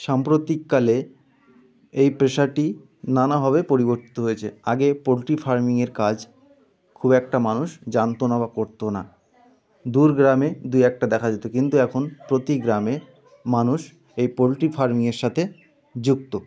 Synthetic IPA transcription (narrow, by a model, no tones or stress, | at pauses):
ʃampɾot̪ikːale | ejpɾeʃaʈi | nanaɦɔbepoɾiboɾt̪i̥t̪oɦojet͡ɕʰeaɡepolʈifaɾmiŋeɾkad͡ʑ | kʰubɛk̚ʈamanuʃd͡ʑant̪onabakoɾt̪ona̰ | d̪uɾɡɾamed̪ujɛk̚ʈad̪ɛkʰad͡ʑet̪okint̪uɛkʰonpɾot̪iɡɾame | manuʃ | ejpolʈifaɾmiŋeɾʃat̪ʰe | d͡ʑuk̚t̪o